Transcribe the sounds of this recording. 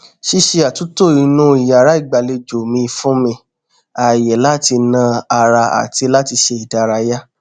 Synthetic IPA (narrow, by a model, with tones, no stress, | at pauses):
ʃi˦ʃe˧a˨tu˨˦to˦˨i˨˧nũ˦i˨ja˨ɾa˨˦i˦˨ɡ͡ba˨le˧d͡ʒo˨mĩ˧fũ˦mĩ˧ | a˨jɛ˨la˦ti˧nã˧a˧ɾa˧a̰˨ti˧la˦ti˧ʃe˧i˨da˨˧ɾa˧ja˦